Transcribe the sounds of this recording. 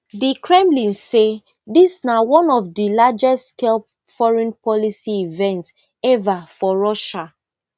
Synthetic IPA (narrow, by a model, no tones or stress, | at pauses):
dikʰɹɛ̃mlĩnse | disnawɔ̃nɔfdilad͡ʒɛstskel | fɔɹɛ̃npɔlisiivɛ̃nts | ɛvafɔɹɔʃa